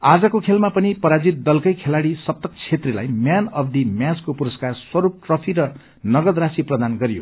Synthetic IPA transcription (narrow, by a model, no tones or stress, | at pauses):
ad͡zʌkokʰelmapʌnipʌɾad͡zit̪̚d̪ʌlkʌjkʰelaɽisʌp̚t̪ʌkt͡sʰet̪rila̰jmjanʌbd̪imjaskopuɾʌskarswʌɾup̚ʈrʌpʰiɾʌ | nʌɡʌd̪rasiprʌd̪anɡʌɾijo̰